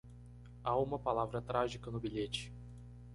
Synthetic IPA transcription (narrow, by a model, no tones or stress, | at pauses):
aũmɐpalavɾɐt̪ɾaʒikɐnʊbiʎet͡ʃɪ̥